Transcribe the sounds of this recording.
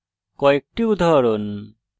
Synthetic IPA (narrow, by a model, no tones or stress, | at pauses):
kɔek̚ʈiud̪ʱaɾon